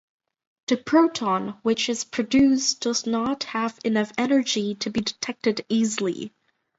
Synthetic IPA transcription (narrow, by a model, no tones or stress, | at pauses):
ðɨpʰɹ̥oʊtʰɔ̃nwɪt͡ʃɨz̥pʰɹ̥ɨdʉsd̥ʌznət̚həvɨnʌfɛnə˞d͡ʒiɾɨbidɨtʰɛk̚tɨɾizl̩ˠḭ